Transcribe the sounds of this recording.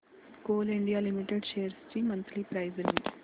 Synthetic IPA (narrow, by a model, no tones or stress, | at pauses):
koːliɳɖijaːlimiʈeɖʃeːjɐɾsʈiːmːɐnt̪ʰlipɾɐjzɾiɳɖ